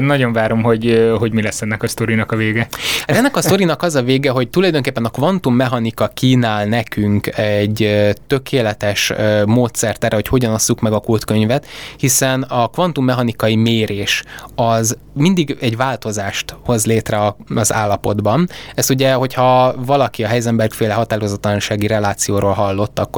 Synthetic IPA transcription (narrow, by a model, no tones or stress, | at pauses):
nɒɟo̞ɱvaːɾo̞mɦo̞ɟɦo̞ɟmilɛsːɛnːɛkɒst̪o̞ɾinɒkɒveːɡɛhat̪ɛnːɛkɒsto̞ɾinɒkɒzɒveːɡɛɦo̞c̚t̪ulɒjd̪oŋkeːpːɛnɒkvɒnt̪umːɛɦɒnikɒkiːnaːlnɛkyŋkɛɟøt̪ø̞kʰeːlɛt̪ɛʃmoːt̪sɛrt̪ɛrʔɛɦo̞cho̞ɟɒnosːukmɛɡɒkult̪kø̞ɲvɛt̪hisɛnɒkvɒnt̪umːɛɦɒnikɒimeːɾeːʃɒz | mind̪iɡɛɟvaːlt̪o̞zaːʃt̪ho̞zleːt̪rɛɒɒza̰ːlːɒpo̞d̪bɒnɛst̪uɟɛɦo̞chɒvɒlɒkiɒɦɛjzɛmbɛɾkfeːlɛɦɒt̪aːɾozɒt̪ːlɒnʃaːɡiɾɛlaːt̪sijoːɾoːlɦɒlːo̞t̪ːɒkːo